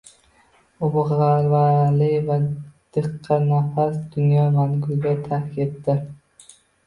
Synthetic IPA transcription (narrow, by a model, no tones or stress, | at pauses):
ʊbʁaɾvalɪkvad̪̥ɨqʰːɑnafasd̪ʊnjɒmaŋɡʊlɡʲat̪ʰaɾkʲʰet̪d̪ɪɾ